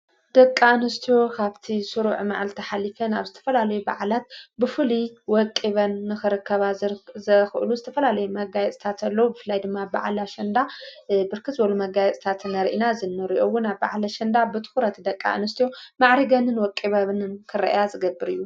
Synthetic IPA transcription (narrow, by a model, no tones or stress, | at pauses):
d̪ɐkʼːaɨnɨst̪ʰijo̞kʰaβt̪ʰisuɾuʕma̰ʕalt̪ʰɐħalɨfɐnaβzɨt̪ʰɐ̥fɐlalɐjuba̰ʕlat̪̚bɨfɨliwɔkʼːiβɐnːɨxɨɾɨkʰːɐβazɨxɨʔɨluzɨt̪ʰɐfɐlalɐjumɐɡajɛt͡sʼt̪ʰat̪ʰɐlːɐwubɨfɨlːajd̪ɨmːaba̰ʕlaʃɐnd̪abɨɾkʰɨt̪zɨbɐlumɐɡajɛt͡sʼt̪ʰat̪nɐɾʔinazɨnːɨɾiʔo̞wːʊnaβba̰ʕlaʃɐnd̪abɨt̪ʰɨ̥xuɾɐt̪d̪ɐkʼːa̰ʔɨ̰nɨst̪ʰijo̞maʕɾiɡɐnɨnwɔkʼiβɐβnɨnkʰɨɾɐ̰ʔjazɨɡɐbːɨɾɨjːu